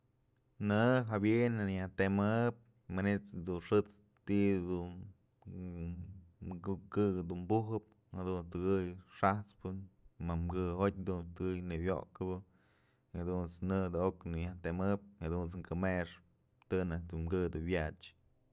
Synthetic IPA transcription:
nɨɦabjenɨjaht̪emɨp̚ | manet͡s̪d̪unʂɨt͡s | t̪id̪un | ukɨɡɨd̪unmbuɦɨp̚ | had̪unst̪ɨɡɨjʂaht͡spɨmamɡɨot̪̚ʲd̪unst̪ɨɡɨjnɨwjo̰kɨbɨ | had̪unt͡snɨd̪ɨoknɨjaht̪emɨp̚had̪unt͡sŋkɨmeʂp | t̪ɨnad̪umɡɨd̪ɨwjat͡ʃ

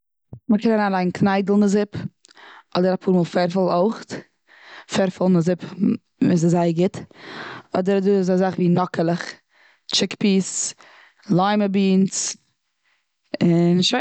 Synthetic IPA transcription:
məkɛnaɾaːnlaɪnkʰnaɪdl̩ˠnəzɪp | ɔdəɾapʰuːɾmuːlˠfɛɾfɪlˠoʊχt | fɛɾfɪlˠnəzɪp | mɪs̬azaɪəɡɪt | ɔdəɾaduːɪz̬azaχviːnɔkəlˠəχ | t͡ʃɪkpiːs | lˠaɪməbiːns | ɪnʃa

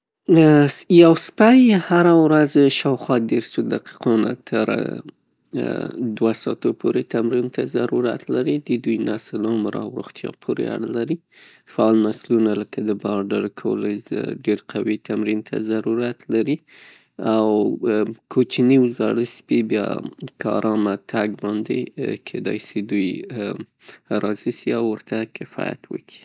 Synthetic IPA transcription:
jawspajhaɾawɾazʃɑwxwɑd̪eɾsud̪aqi̥qɑna̰t̪ʰə̰ɾ | d̪wasɑ̰t̪opʰoɾet̪ʰamɾint̪ʰazaɾuɾa̰t̪laɾid̪əd̪ujnaslomɾɑ̰wɾṵxt̪jɑ̰pʰoɾḛa̰ɽalaɾi | faɑlnaslunaləkad̪əbɑɾɖaɾkʰowəlazɖeɾqʰawit̪ʰamɾint̪ʰa̰zaɾuɾat̪laɾi | aw | kʰot͡ʃniwzɑɽəspibjɑ̰kɑ̰ɾɑmat̪ʰaɡbɑnd̪ḛkʰed̪ɑ̰jsed̪uj | ɾʔɑzisiawːəɾt̪akɪfɑ̰ja̰t̪wə̰kʰi̥

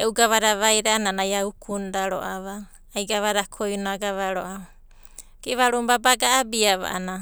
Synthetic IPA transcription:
eʔuɡaβaɾaβajɾananajaukʰundaɾo̰ʔaβaː | jɡaβaɾakʰojunaɡaβaɾo̰ʔaa | kiβaɾumbabaɡaːbiaβa̰ʔa̰na

